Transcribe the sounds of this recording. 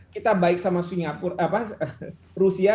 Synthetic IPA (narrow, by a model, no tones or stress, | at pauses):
kit̪abaɪk̚samasiŋɡapʊrapaə | rusia